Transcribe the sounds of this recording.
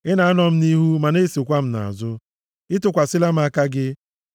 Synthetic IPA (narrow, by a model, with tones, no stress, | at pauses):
ɪ˦na˨a˦nɔ˨m̩˦ni˦ɦu˦ma˨ne˦˨si˨kʷa˦m̩˦na̰˨a̰˨zʊ˦ | ɪ˦tʊ˨kʷa˨sɪ˦la˦m̩˦a˦ka˦ɡɪ˦